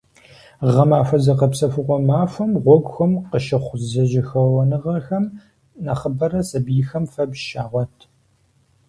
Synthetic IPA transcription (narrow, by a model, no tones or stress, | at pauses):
ʁɐmaːfɐzɐqɐpsɐfɨʁʷɔmaːfʷɐmʁʷɔɡʷxʷɐmqəʃɪχʷzɐʒɪxɐwɐnɨʁɐxɐm | nɐχəbɐɾɐsɐbjɪxɐmfɐbʃaːʁʷɔtʰ